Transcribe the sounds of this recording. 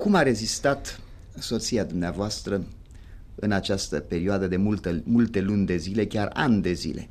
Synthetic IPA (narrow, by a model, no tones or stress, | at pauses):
kumaɾe̞zist̪at̪ | so̞t̪siad̪umneavoast̪ɾə | ɨnat͡ʃast̪əpe̞ɾioad̪əd̪e̞mult̪əmult̪e̞lunʲd̪e̞zile̞kʲara̰nʲd̪e̞zḭle̞̰